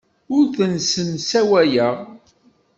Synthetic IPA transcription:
ʊɾθənsənsæwæjəʁ

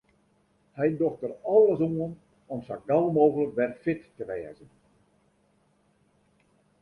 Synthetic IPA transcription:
hɛjdɔxtərɔlˠəsuən | ɔmsaɡɛlˠmoːɣələk̚ʋɛrfɪtːəʋɛːzən

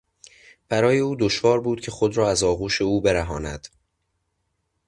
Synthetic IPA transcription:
b̥æɾɒːje̞uːd̪o̞ʃvɒːɾbuːd̪̥cʰe̞xo̞d̪ɾɒːæzɒːɣuːʃe̞uːbe̞ɾæɦɒːnæ̰d̪̥

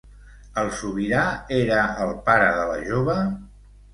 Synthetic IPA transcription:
əlˠsuβiɾaeɾəəlˠpaɾəðələ̰ʒoβ̞ə

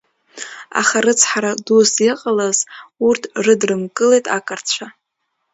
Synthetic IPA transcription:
a̰χaɾɨt͡sʰħaɾadusiqʼalaz̥urtʰrɨdrɨmkʼɨlejtʼakʼɨrt͡ɕʷʰa

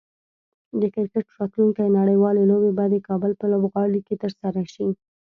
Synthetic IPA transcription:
d̪əkɪɾkəʈɾɑt̪luŋkajnaɽəjwɑlelobebɑjad̪d̪əkɑbəlpəlobɣɑɽiket̪əɾsaɾaʃi

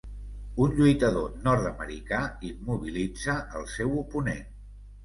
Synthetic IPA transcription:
unʎujt̪əðonɔɾt̪əmə̰ɾikaimuβilid͡zəʔəlˠsɛwupunḛn

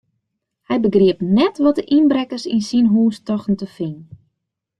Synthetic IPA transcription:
hɛjbəɡriəpnɛtʋɔtdəʔinbrɛkərsḭnsinɦuːstɔxtn̩təfin

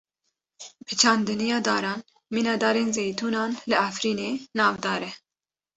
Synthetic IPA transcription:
pʰɨt͡ʃʰɑːnd̪ɨnijɑːd̪ɑːɾɑːn | miːnɑːd̪ɑːɾeːnzejt̪ʰuːnɑːnlɨafɾiːneːnɑːvd̪ɑːɾɛ

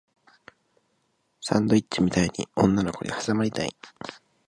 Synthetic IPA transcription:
sã̰nd̪o̞itt͡ɕːimʲit̪aiɲ̟ḭõ̞nːano̞ko̞̰ɲʲihasamaɾʲit̪aḭ

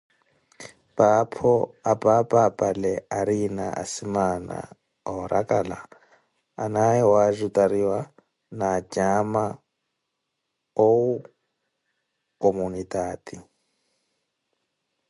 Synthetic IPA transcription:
pʼapʰɔapʼapʼapʼalɛaɾina̰ʔa̰simana̰ | ɔɾakʼala̰ː | naɛwazʷutʼaɾiwa | nad͡ʒʼama | ou | komunitʼaːti

